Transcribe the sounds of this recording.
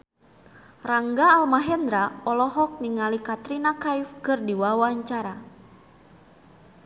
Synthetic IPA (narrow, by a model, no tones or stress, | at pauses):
raŋɡaːlmaɦɛnd̪ɾaɔlɔɦɔk̚niŋalikat̪ɾinakajfkɨrdiwawaɲt͡ʃaɾa